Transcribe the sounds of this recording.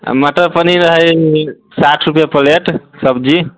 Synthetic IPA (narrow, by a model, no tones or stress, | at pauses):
məʈəɾpəniɾəɦəj | saʈʰɾupjapəleʈsəbd͡ʒi